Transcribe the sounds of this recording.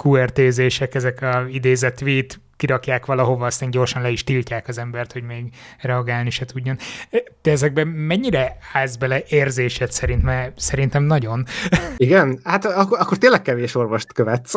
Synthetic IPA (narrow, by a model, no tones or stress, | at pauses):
kuɛrt̪eːzeːʃɛkɛzɛkɒid̪eːzɛt̪ʋeːt̪ | kiɾɒkjaːkʋɒlɒɦo̞vɒːst̪aːɲɟo̞rʃɒnlɛiʃt̪ilcaːkɒzɛmbɛrt̪ho̞ɟmeːɡrɛɒɡaːlniʃɛt̪ʰuɟːo̞nːd̪̥ɛɛzɛɡ̚bɛmɛɲːiɾɛaːzbɛlɛʔeːrzeːʃɛt̪sɛɾint̪mɛsɛɾint̪ɛmnɒɟo̞niɡɛnhat̪ɒkːɒkːort̪eːnlːɛk̚kɛveːʃo̞rvoʃt̪køvɛt̪s